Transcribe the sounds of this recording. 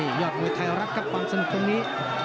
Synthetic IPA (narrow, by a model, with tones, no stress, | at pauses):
iː˧˩jɔː˧˩t̪̚mɔː˧˩jt̪ʰa˧jɾa˦˥k̚ka˨˩p̚kwaː˧msa˧nu˧˩kʰo˧mniː˦˥